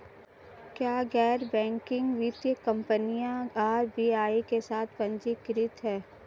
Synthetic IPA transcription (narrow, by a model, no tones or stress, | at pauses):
kjaːɡɛːɾbɛ̃ːŋkɪ̃ŋɡʋiːt̪jəkɐ̃mpənijãaːɾbiːaːikesaːt̪ʰpɐ̃ɲd͡ʒikɪɾɪt̪ɦɛː